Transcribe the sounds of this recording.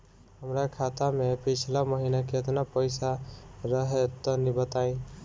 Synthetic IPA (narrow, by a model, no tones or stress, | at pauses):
həmɾakʰat̪amepit͡ʃʰlaməɦinakeət̪napəjsaɾəɦet̪ːɔnibət̪aĩ